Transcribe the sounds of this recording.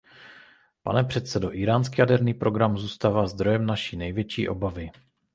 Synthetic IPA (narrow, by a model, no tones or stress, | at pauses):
pa̰nɛpr̝̥ɛt̪sɛdo̞ʔɪɾaːnskijadɛɾniːpɾo̞ɡɾamzuːst̪aːvaːzd̪ɾo̞jɛmnaʃiːnɛjvjɛt͡ʃḭːʔo̞̰bavɪ